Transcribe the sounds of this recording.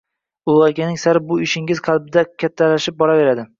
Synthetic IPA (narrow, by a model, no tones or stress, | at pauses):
ʊlˠɑɾɡʲanɪŋsaɾ̚bʊɪʃɪŋɪzqʰɑlˠbɪd̪akʲʰat̪ʰːalaʃɪp̚bɒɾave̞ɾad̪ɪ